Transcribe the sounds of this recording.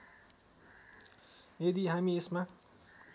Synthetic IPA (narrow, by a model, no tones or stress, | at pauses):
jed̪iɦamiesma